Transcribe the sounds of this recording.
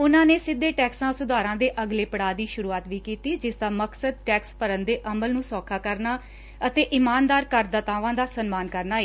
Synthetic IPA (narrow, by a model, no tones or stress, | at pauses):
ʊnãːneːsɪd̪ːeːʈɛːksãːsʊd̪aːɾãːd̪eːʔəɡleːpəɽaːd̪iːʃʊɾuːaːt̪ʋiːkiːt̪iːd͡ʒɪsd̪aːməksəd̪̚ʈɛːkspəɾənd̪eːʔəməlnũːsɔːkʰaːkəɾnaː | ət̪eːʔɪmaːnd̪aːɾkəɾd̪ət̪aːʋãːd̪aːsənmaːnkəɾnaːeː